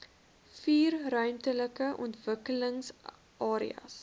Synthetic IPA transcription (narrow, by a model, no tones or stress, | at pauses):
fiːrrœɥmtələkəʔɔ̰ntvəkələŋs | ʔɑːɾḭɐ̰s